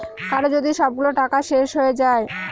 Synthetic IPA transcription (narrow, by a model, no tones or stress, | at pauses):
kaɾod͡ʑod̪iʃɔb̚ɡuloʈakaʃeʃɦoed͡ʑae